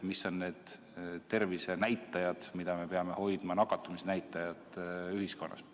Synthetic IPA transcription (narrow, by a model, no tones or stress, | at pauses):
miso̞nne̞ːd̪̥ | t̪e̞rvise̞næjt̪ːˑɑjɑd̪̥mid̪̥ɑme̞pe̞ɑme̞ho̞jd̪mɑnɑkːˑɑt̪ːˑumisnæjt̪ːˑɑjɑd̪yhisko̞nːʔɑ̰s